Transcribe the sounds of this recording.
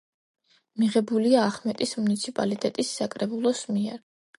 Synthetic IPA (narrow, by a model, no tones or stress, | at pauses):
miʁɛbuliaːχmɛt̪ʼismunit̪sʰipʼa̰lit̪ʼɛt̪ʼisːakʼɾɛbulˠɔsmiɛ̰ɾ